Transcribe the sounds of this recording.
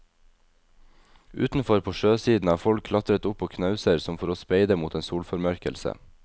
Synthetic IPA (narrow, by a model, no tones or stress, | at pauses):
ʔʉ̰ːt̪n̩fɔɾpʰoːʃøːsiːd̪n̩ɑːfɔlkʰlɑt̪ɾət̪ʊpoːkʰnɑʉsəɾsɔmfɔɾoːspeɪd̪əmuːt̪eːnsuːlfɔɾmœɾkəlsə̰